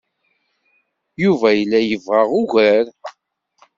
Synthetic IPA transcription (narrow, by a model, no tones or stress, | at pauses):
juvæjəlːæjəvʁaʁʊʝaɾ